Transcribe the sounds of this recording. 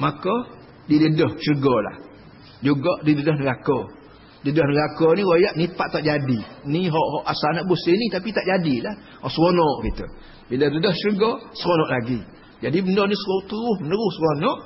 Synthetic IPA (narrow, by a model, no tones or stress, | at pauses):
makɔ | didədəht͡ʃərəɡɔla̰h | d͡ʒuɡɔʔdidədəhnəɡakɔ | dədəhnəɡakɔnĩwojaʔnipaʔt̪aʔd͡ʒadiniɦɔʔhɔʔasanaʔbusinit̪apit̪aʔd͡ʒadilah | hɔʔsəwonɔʔkit̪ə̰ | bilədədəht͡ʃərɡɔsəɾonɔʔlaɡi | d͡ʒadibəndɔnisot̪uɾʊhmənəɾʊhsəɾonɔʔ